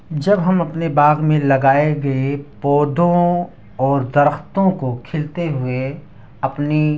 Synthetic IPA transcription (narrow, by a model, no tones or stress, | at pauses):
d͡ʒɐbɦɐmɐpnebaːɡmẽlɐɡaːeɡɐepɔːd̪õ | ɔːɾd̪ɐɾəxt̪õkokʰɪlt̪eɦʊe | ɐpni